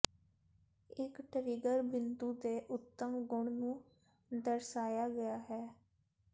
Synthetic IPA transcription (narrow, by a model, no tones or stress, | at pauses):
ɪkʈəɾiːɡəɾbɪnt̪uːd̪eːʔʊt̪ːəmɡʊɳnũː | d̪əɾsaːjaːɡəjaːɦɛː